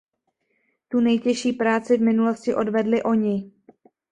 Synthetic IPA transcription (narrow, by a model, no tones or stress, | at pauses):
t̪unɛjcɛʃiːpɾaːt͡sɪvmɪnulo̞scɪʔo̞dvɛdlɪʔo̞ɲɪ